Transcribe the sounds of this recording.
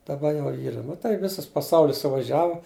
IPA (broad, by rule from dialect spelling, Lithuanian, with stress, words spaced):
dɐˈbɐ ˈjɛʊ ˈiːrɐ nʊ tɐɪ ˈʋʲɪsɐs pɐˈsɐʊlʲɪs sʊʋɐˈʒʲæːʋʊ